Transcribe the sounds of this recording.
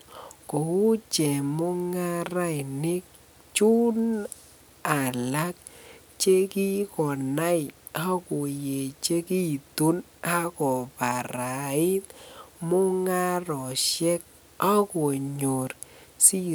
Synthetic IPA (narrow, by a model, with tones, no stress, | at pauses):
ko˨u˦t͡ʃɛ˨mo˦ŋa˦ɾa˦˨ɪ˨nɪ˦k̚ | t͡ʃu˦n | a˨la˦k̚ | t͡ʃe˦ki˦kɔ˨na˦ɪ | a˦ko˨je˨t͡ʃe˦ki˦tu˦n | a˦kɔ˨pa˨ɾa˨ɪ˦t̪̚mʊ˦ŋa˦ɾɔ˨ʃɛ˦k̚ | a˦ko˨ɲo˨ɾsi˦